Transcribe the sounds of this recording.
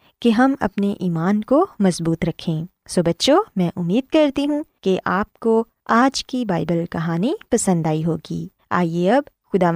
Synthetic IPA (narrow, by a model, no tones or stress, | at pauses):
keɦɐmɐ̰pneʔiːmaːnkomɐzbuːt̪ɾɐkʰːẽː | soːbɐtːʃomɛ̃ʔʊmːiːd̪̚kɐɾt̪iɦũkeʔaːp̚ko | aːd͡ʒkibaːɪbəlkɐɦaːnipɐsə̃nd̪aːiɦoːɡḭː | a̰ːieɐb | xʊd̪aːʋ